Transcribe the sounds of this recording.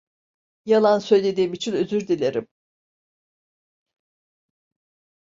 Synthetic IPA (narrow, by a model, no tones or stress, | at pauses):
jalˠansø̞jlʲe̞d̪iːmit͡ʃʰinøzyɾd̪ilʲeɾḭm